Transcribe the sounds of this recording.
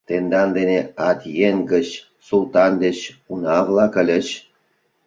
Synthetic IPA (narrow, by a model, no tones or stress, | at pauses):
t̪end̪ɑnd̪eneɑt̪jenɡə̆t͡ɕ | sulˠt̪ɑnd̪et͡ɕunɑvlˠɑkə̆lʲə̆t͡ɕ